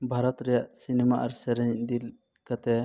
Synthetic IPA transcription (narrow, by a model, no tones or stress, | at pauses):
bʱaɾɔt̪ɾɛjaʔsinɛmaʔaɾsɛɾɛɲd̪il | kat̪ɛ